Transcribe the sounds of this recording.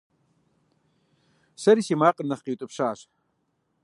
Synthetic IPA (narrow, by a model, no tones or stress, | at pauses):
sɐɾisimaːqʼənːɐχqiwt̪ʼɨpʂaːɕ